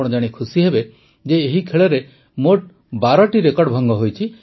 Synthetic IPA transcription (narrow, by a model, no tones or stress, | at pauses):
ɔɽ̃ɔd͡ʒaɽ̃ikʰusiɦebe | d͡ʒeːɦikʰeɭeɾe | moʈ̚ | baɾɔʈiɾekɔɽɖbʱɔŋɡɔɦojt͡ʃʰi